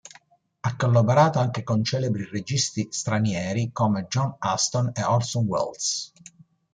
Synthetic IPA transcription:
akːolːobeɾaːt̪oaŋk̟ekont͡ʃɛːlebɾired͡ʒist̪ist̪ɾanjɛːɾikoːmed͡ʒɔnast̪oneʔɔrsɔnwɛ̰ld̪s

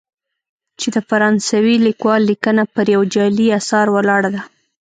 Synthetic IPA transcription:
t͡ʃed̪əfaɾɑnsawilikwɑlːikənapəɾjawd͡ʒɑliasɑɾwalɑɽad̪a

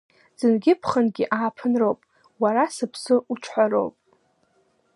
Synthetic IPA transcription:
z̥ɨnɡʲɪpʰχənɡʲiʔaːpʰɨnrowpʼ | waɾasɨpʰsɨuʈ͡ʂʷʰħʷaɾo̞̰wpʼ

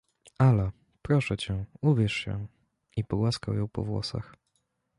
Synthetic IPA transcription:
alɛ | pɾɔʂɛt͡ɕɛuvʲjɛʂɕɛ̰ | ipɔɡwaskawjɔ̃w̃pɔ̰vwɔ̰sa̰x

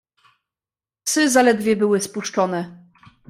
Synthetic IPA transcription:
sɘzalɛd̪vʲjɛbɘwɘspuʂt͡ʂɔnɛ

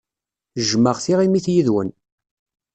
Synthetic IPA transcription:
ʒməʁθiʁimiθjiðwə̰n

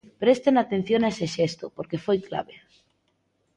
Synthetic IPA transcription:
pɾest̪enat̪ẽn̟θjonaeseʃest̪opoɾkefojkla̰βe

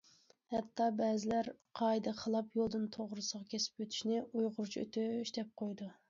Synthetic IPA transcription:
hɛt̪ʰːɑbɛːzɪlæɾqʰɑjd̪ɑχəlˠɑpjolˠd̪ɨnt̪ʰoʁɾɨsəʁɑkʲʰesɪ̥pøt̪ʰy̥ʃnɪujʁʊɾt͡ʃʰø̰t̪ʰyiʃt̪ʰɛp̚qʰojd̪u

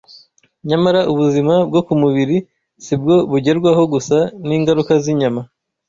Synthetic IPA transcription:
ɲamaɾauβuzimabɡo̞kumuβiɾi | sib̚ɡo̞βuɟe̞ɾɡwaɦo̞ɡusaniːŋɡaɾukaziɲama

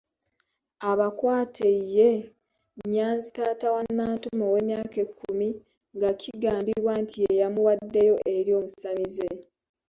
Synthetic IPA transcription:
aβakwaːtʰeije̞ | ɲːaːnzi̥taːtawanːaːtumowe̞ːmjaːkekʰːumi | ŋɡacʰiɡaːmbiβwantʰiejamuwadːejo̞ʔe̞ɾjo̞ːmusamize

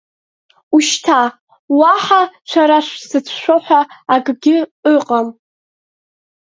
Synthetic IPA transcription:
uʃtʰa | waħat͡ʃʷʰaɾaʂʷsɨt͡sʷʰʃʷᶣoħʷaːɡɡʲɪəqʼam

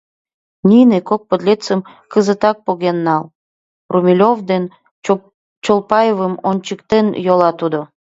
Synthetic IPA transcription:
nʲinekok̚pəd̪lʲet͡səm | kəzət̪ɑk̚poɣenːɑlˠ | rumʲilʲovd̪en | t͡ɕolˠpɑjəvəmonʲt͡ɕəkt̪enjolɑt̪ud̪o

